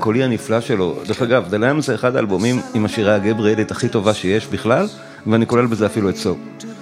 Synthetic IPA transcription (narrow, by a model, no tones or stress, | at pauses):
ko̞lianiflaʃe̞lo̞d̪eχaɡavd̪eleamzeːχad̪aːlbomimimaʃiʁaɡebʁielitaχito̞vaʃejeʃbiχlal | veaniko̞le̞lbezeafiluet͡so̞v